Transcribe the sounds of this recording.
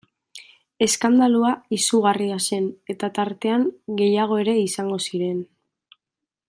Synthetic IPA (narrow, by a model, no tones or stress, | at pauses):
e̞skand̪aluaisuɣariase̞ne̞t̪at̪aɾt̪e̞aŋɡe̞jaɣ̞o̞e̞ɾe̞isaŋɡo̞siɾe̞n